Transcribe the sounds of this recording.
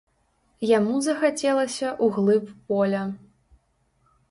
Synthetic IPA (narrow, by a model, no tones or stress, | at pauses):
jamuzɐxat͡sʲɛlˠɐsʲɐʔuɣlˠɨppɔlʲɐ